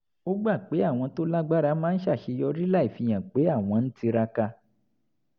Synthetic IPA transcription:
o˦ɡ͡ba˦˨k͡pe˨˦a˦˨w̃ɔ̃˧to˦la˦ɡ͡ba˦ɾa˧˦mãː˦n̩˦ʃa˦˨ʃe˧jɔ˧ɾi˦la˦i˦˨fĩ˧j̃ã˨k͡pe˨˦a˦˨w̃ɔ̃˧n̩˦ti˧ɾa˧ka˧

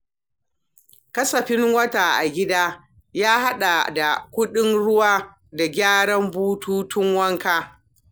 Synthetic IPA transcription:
kɐ˦sɐ˨ɸɪ˦ŋwɐ˦taː˨ʔa˨ɡʲɪ˦daː˦ | jaː˦ha˦ɗa˨da˨kʷʊ˦ɗɪ˦nɽʊ˦waː˦ | da˨ɡʲaː˦ɽɐ˦mbuː˦tuː˦tʰʊ˦ŋwɐ˦ŋkaː˦

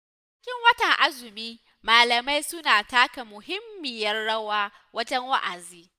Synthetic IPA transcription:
t͡ʃ | ɪ˦kʲɪ˦ŋwɐ˦tɐ˨ŋʔa˦zʊ˨miː˦ | maː˨lɐ˨ma˦jsʊ˦naː˨taː˦ka˨mʊ˨hɪ˦mːɪ˨jɐ˦rɽɐ˦waː˦ | wɐ˦d͡ʒɐ˦ŋwa̰˦ʔa˨ziː˦

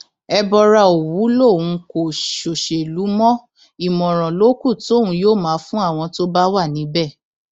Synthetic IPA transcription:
ɛ˧bɔ˧ɾa˧o˨wu˨˦lo˦˨wũ˧ko˨ʃo˨ʃe˨lu˨˦mɔ̃˦ | i˨mɔ̃˨ɾ̃ɔ̃˨lo˨˦ku˦˨to˦˨ũ˨˦joː˦˨mãː˨˦fũ˦a˦˨w̃ɔ̃˧to˦ba˦wa˦˨nĩ˨˦bɛ˦˨

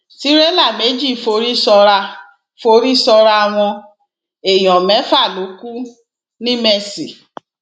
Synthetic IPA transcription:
ti˨˦ɾɛ˦la˦˨me˨˦d͡ʒi˦˨fo˧˦ɾi˦sɔ˧ɾa˧ | fo˧˦ɾi˦sɔ˧ɾa˧a˧w̃ɔ̃˧ | e˨j̃ɔ̃˨mɛ̃˨˦fa˦˨lo˨˦ku˦ | nĩ˦mɛ˧˨si˨

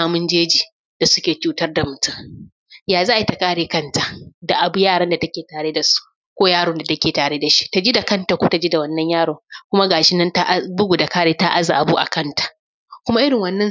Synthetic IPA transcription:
aː˨mʊ˦nd͡ʒeː˦d͡ʒiː˨ | d̥a˨sʊ˦kʲeː˨t͡ʃuː˦tɐ˦rda˨mʊ˨tʊ˦ŋ | jaː˨zaː˦ʔa˨˦i˦ta˨kaː˦ɽeː˨kɐ˦nta˨da˨ʔa˨bu˦jaː˦ɽɐ˦nda˨tɐ˦kʲeː˨taː˨ɽe˦da˨su̥˦ | kʷoː˦jaː˦ɽʊː˦nda˨tɐ˦kʲeː˨taː˨ɽe˦da˨ʃi̥˦ta˨d͡ʒi˦da˨kɐ˦nta˨kʷoː˦ta˨d͡ʒiː˦da˨wɐ˦nːɐ˦ɲjaː˦ɽoː˨kʷʊ˦ma˦ɡaː˨ʃɪ˦nɐ˦nta˦ʔbʊ˦ɡʷu˨da˨kaː˦ɽeː˦ta˦ʔa˦za̰˨ʔa˨buː˦ʔa̰˨kɐ˦ntḁ˨ʔ | kʷʊ˦ma˦ʔɪ˦ɽɪ˨ŋwɐ˦nːɐ˦

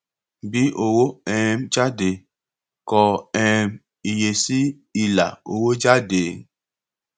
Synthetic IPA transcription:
bi˦ʔo˨wo˦ɛ˦md͡ʒa˦de˨ | kɔ˨ɛ˦m | i˨je˨si˦ | i˨la̰˨o̰˨wo˦d͡ʒa˦de˨

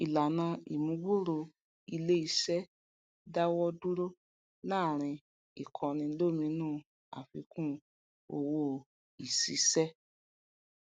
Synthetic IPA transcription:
i˨la˨nã˧ḭ˨mũ˨˦ɡ͡bo˦˨ɾo˧ | i˧le˦i˧˦sɛ˦ | da˦wɔ˦du˦ɾo˦ | nãː˦˨ɾ̃ĩ˧ | i˨kʰɔ̃˧nĩ˧lo˦˨mĩ˧˦nũː˦˨ | a̰˨fḭ˧˦kũ˦ | o˧wo˦ | i˨si˨˧sɛ˦

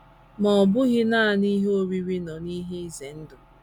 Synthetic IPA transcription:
mɔ˨ɔ˨bʊ˦ɣɪ˦na˦a˨ni˦ɦo˦ɾi˦ɾi˦nɔ˨ni˦ɦe˦i˦ze˨n̩˦dʊ˨

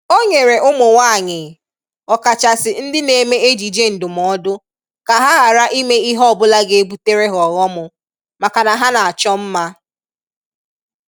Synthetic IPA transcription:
o˦ɲe˨ɾe˨ʔʊ˦mʊ˨wa˦˨ɲɪ˨ | ɔ˨ka˨t͡ʃa˨sɪ˨n̩˦dɪ˦ne˨me˦e˦d͡ʒi˨d͡ʒe˦n̩˨dʊ˨m˨ɔ˨˦dʊ˦ | ka˨ɦa˦ɦa˨ɾa˦ʔi˦me˦i˦ɦbʊ˦la˦ɡe˦e˦bu˦te˦ɾe˦ɦɔ˨ɣɔ˦mʊ˨ | ma˨ka˨na˨ɦa˦na˨a˨t͡ʃɔ˦m̩˦ma˦

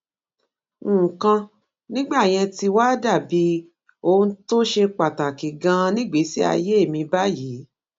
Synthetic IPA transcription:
kã˧ | nĩ˦ɡ͡ba˦˨j̃ɛ̃˧ti˧wa˦da˦˨bi˨˦ | o˦˧n̩˦to˦ʃe˧k͡pa˨ta˨ki˨ɡã˧nĩ˦ɡ͡be˨˦si˦a̰˧je˦e˦˨mĩ˧ba˦jiː˨˦

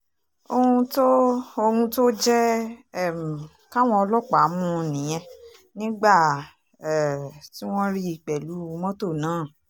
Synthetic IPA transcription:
o˧ũ˧to˦o˧hũ˧to˦d͡ʒɛ˦˨ | m̩˨ | ka˦w̃ɔ̃˦ɔ˧lɔ˦k͡pa˨˦mũ˦˧nĩ˨j̃ɛ̃˧ | nĩ˦ɡ͡ba˦˨ | ɛ˨ti˦w̃ɔ̃˦ɾi˦i˧˨k͡pɛ˨lu˨˦˧mɔ̃˦to˦˨nãː˨˦˨

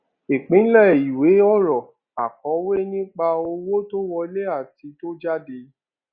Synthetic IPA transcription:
e˨k͡pĩ˨˦lɛ˦˨i˨we˨˦ɔ˦ɾɔ˨ | a˨kɔ˨˦we˦nĩ˦k͡pa˧o˧wo˦to˦wɔ˧i˧˦le˦a˦˨ti˨˧˦to˦d͡ʒa˦de˧

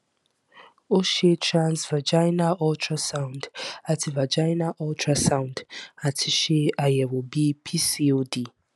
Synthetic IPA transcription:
o˦ʃe˦tʰɹãnzva˨d͡ʒajna˦ʔɔ˦ltʰɹasã˦w̃nda˨tʰi˨va˨d͡ʒa˦jna˦ʔɔ˦ltʰɹa˦sã˦w̃nda˨tʰi˦ʃe˦ʔa˨jɛ˨wo˨bi˦pʰi˦siodi˨

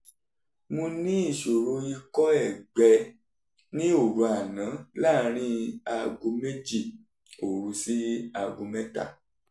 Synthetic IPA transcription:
mũ˧nĩ˦i˦˨ʃo˨ɾo˧i˧kɔ˦ɛ˦˨ɡ͡bɛ˧ | nĩ˦o˨ɾu˧a˨nã˨˦la˦˨ɾ̃ĩ˦a˧ɡo˧me˦d͡ʒi˦˨ | o˨ɾu˧si˦a˧ɡo˧mɛ̃˦ta̰˦˨

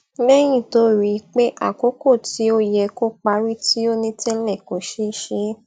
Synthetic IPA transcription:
lɛ˦j̃ĩ˦˨to˨˦ɾi˦k͡pe˦ʔa̰˦˨ko˨˦ko˦˨ti˨˦o˦jɛ˧ko˦k͡pa˧ɾi˦ti˦o˦nĩ˦tĩ˦lɛ˦˨ko˨˦ʃe˦ʃe˧˦

